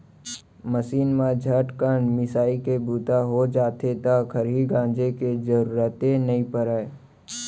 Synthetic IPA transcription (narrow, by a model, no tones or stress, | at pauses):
məsiːnmãd͡ʒʱəʈkəɳmɪsaːikebuːt̪aɦod͡ʒaːt̪et̪akʰəɾiɡãːnd͡ʒeked͡ʒəɾuːɾət̪ẽnɐɦĩpəɾaːe